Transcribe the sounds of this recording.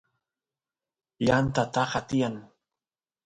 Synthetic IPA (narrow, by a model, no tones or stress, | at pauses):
jant̪at̪ɑχat̪ɪjaŋ